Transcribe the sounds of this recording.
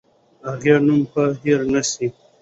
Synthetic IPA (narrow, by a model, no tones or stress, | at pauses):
aɣenumpaɦiɾnasi